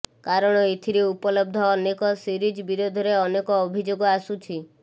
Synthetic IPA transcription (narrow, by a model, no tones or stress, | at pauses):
kaɾɔɽ̃ɔet̪ʰiɾeupɔlɔb̚d̪ʱɔːnekɔsiɾid͡ʒbiɾod̪ʱɔɾeɔnekɔːbʱid͡ʒoɡɔasut͡ʃʰi